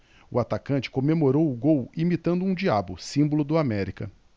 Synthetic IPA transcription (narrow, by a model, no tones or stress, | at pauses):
ʊ̰at̪akɐ̃t͡ʃɪ̥kõmemoɾowʊɡowimit̪ɐ̃nd̪ʊũd͡ʒiabʊsĩmbolʊd̪ʊamɛɾikɐ